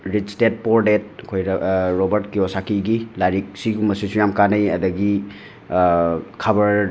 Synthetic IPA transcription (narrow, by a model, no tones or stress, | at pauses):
ɾit͡ʃstet̚poɾdet̚ɐkʰojɾobɐɾtkiosakiɡilaɾik̚siɡumɐsisujamkanɐjɐ̰dɐɡi | kʰabɐɾ